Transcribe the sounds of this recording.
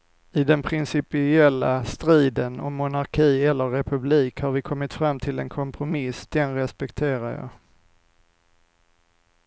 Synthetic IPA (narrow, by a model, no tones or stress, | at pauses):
ɪd̪ɛnpʰɾɪnsɪpɪɛlːast̪ɾiːd̪ənɔmːʊnaɾkʰiːɛlːəɾːɛpʰɵbliːkhaɾvɪkʰɔmːɪt̪fɾamːt̪ʰɪlɛ̰nkʰɔmpʰɾʊmɪsd̪̥ɛnɾɛspɛkt̪ʰeːɾaɾjɑ̰ː